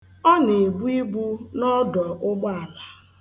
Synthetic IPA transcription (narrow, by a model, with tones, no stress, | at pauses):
ɔ˦ne˨bu˦i˦bu˦nɔ˦dɔ˨ʔʊ˦ɡ͡bɔ˦a˨la˨